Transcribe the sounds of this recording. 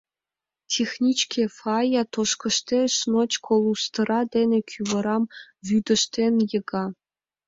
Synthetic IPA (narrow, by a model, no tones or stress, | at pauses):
tʲʰexʲnʲit͡ɕkʲefɑjɑt̪oʃkɤ̆ʃt̪ʲeʂnot͡ɕkʰolˠust̪ɤ̆ɾʔɑd̪ʲenʲĕkʲʰyʋɤ̆ɾɑmʋʲyd̪ɘ̆ʃt̪ʲenʲjɤ̆ɡɑ